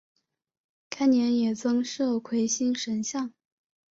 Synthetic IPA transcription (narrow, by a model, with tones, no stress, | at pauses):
kʰa˥ɪnjɛ˧˥njɛ˨˩t͡sɤ˥ŋʂɤ˥˩kʰwe˧˥ɪɕi˥ŋʂə˧˥nɕjɑ˥˩ŋ